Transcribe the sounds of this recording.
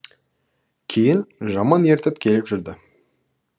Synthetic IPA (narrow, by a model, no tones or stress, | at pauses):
kʲʰe̞jɪnʒɑmɑne̞ɾt̪ɪp̚kʲʰe̞lɪpʒʏɾd̪ɪ